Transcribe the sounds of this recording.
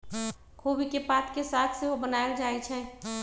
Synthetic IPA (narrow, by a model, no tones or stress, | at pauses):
kʰobikepat̪kesaːt̪ʰseɦobənaːeld͡ʒaːet͡ʃʰɛː